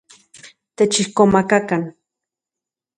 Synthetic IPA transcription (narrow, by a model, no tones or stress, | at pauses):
t̪et͡ʃihkomakakan